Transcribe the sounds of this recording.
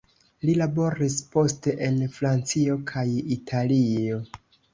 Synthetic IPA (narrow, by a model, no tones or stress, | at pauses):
lilabo̞ɾispo̞ste̞ʔenfɾant͡sio̞kʰajitʰalio̞